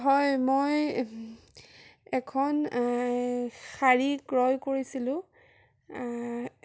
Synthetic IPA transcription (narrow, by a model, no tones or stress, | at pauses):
ɦɔjmoj | ɛkʰɔn | xaɹiɡɹɔjkoɹisilʊ̃